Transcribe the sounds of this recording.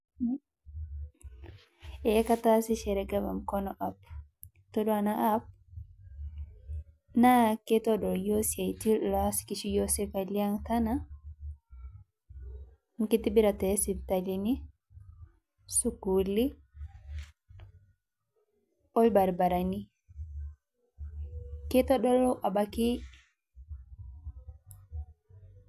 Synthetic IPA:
ɛkatasiʃɛɾɛɡaba̰mkɔnɔʔap | tɔdɔanaʔap̚ | naketɔdɔɾjosiatilaskit͡ʃijosekaliaŋtana | ŋkitibiɾatɛsitalini | sukuli | ɔjbaɾbaɾani | kɛtɔɗɔlɔʔabaki

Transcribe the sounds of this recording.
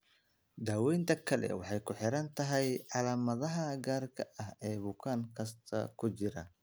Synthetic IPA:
d̪aːwɛjnt̪ʰɐkʰɐlɛ̰wɑħɑjkʰʊħɪɾɐnt̪ʰɐɦɛjʕɑlaːmɐðɐɦɐɡaːrkʰɐɐhɛːbʊkʰaːŋkʰɐst̪ʰɐ̰kʰʊt͡ʃɪɾɐ̰

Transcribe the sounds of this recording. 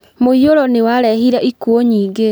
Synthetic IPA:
moioɾɔnewaɾɛhiɾaʔikuoɲiːɡe

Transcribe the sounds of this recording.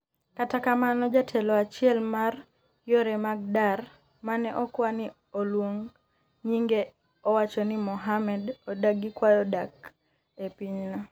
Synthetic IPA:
katakamanɔd͡ʒatʰɛlɔat͡ʃɪɛlmar | joɾɛmaɡ̚dar | manɛʔɔkwani | olwoŋ | ɲiŋɡe | ɔwat͡ʃɔnimɔɦamɛdɔdaɡikwajɔdak | epiɲna

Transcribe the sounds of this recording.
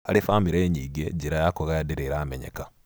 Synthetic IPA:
alifamiɾeɲiːɡeɟiɾajakoɣajadiɾeiɾaːmḛɲḛka

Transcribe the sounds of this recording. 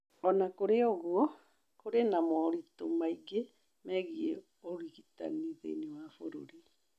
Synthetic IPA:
ɔnakoɾeoɣwɔ | koɾenamɔɾitomaiɡe | mɛɣie | oɣiɣita̰niðḛinewafoɾo̰ɾi

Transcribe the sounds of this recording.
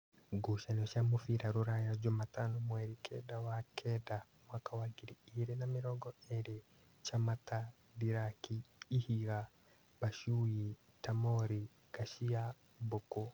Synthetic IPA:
ɡuʃanɔʃamofiɾaɾoɾajad͡ʒomatanɔmwɛɾikʰɛdawakʰɛda | mwakawaɡiɾiiɾenamiɾɔɡɔeɾe | t͡ʃamata | ðiɾakiːhiɣa | baʃuji | tamɔɾi | ɡ̥aʃia | boko

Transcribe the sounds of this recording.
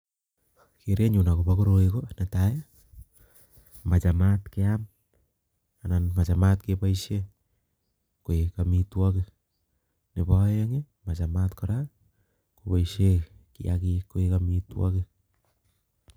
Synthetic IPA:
kiɾeɲunakopakoɾoikonataja | mat͡ʃamatkeam | ananmat͡ʃamat̚kepaise | koekamitwake | nepajeŋe | mat͡ʃamatkoɾa | kopaisekḭa̰kikoekamitwa̰ke

